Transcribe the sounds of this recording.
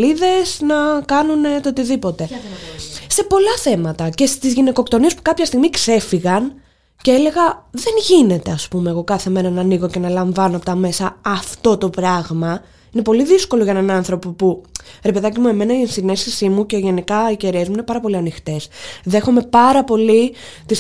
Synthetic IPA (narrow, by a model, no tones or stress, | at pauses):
iðe̞snɐkɐnune̞t̪oot̪iðipo̞t̪e̞ | se̞po̞lɐθe̞mɐt̪ɐce̞st̪izʝine̞ko̞kt̪o̞nie̞spu̥kɐpçɐst̪iɣmikse̞fiɣɐn | ceeleɣɐðe̞nʝine̞t̪e̞ɐspume̞ːɣo̞kɐθe̞me̞ɾɐnɐniɣo̞ce̞nɐlɐɱvɐnoɐpot̪ɐme̞sɐːft̪o̞t̪o̞pɾɐɣmɐ | ine̞po̞liðisko̞loʝɐenɐnɐnθɾo̞popuɾe̞pe̞ðɐc̬imue̞me̞nɐisine̞sisimuce̞ʝe̞nikɐiceɾiesmuine̞pɐɾɐpo̞liɐnixt̪e̞sðe̞xo̞me̞pɐɾɐpo̞lit̪is